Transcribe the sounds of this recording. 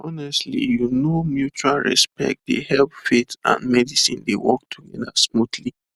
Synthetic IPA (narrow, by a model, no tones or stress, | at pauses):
ɔnɛstlḭjunomjut͡ʃualɹɛ̰spɛ̰k̚t̚d̪ehɛlpfetã̰nmɛdisĩndewɔk̚tʰuɡɛdasmutʰli